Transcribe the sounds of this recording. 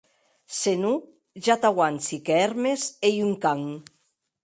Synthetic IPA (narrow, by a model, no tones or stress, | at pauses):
senu | ʒat̪awant͡sikɛɾmesejuŋkaŋ